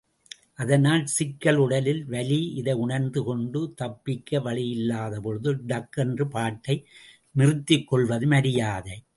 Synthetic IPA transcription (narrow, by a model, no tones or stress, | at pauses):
ʔɐðɐnaːlsɪkːɐɭʊɽɐlɪlʋɐliɪðɐɪʊɳɐɾnd̪ɯkɔɳɖɯt̪ɐpːɪkːɐʋɐɭɪjɪlːaːðɐpɔɻɯðɯɖɐkːɛndrɯpaːʈːɐɪ | nɪrɯt̪ːɪkːɔɭʋɐðɯmɐɽɪjaːðɐɪ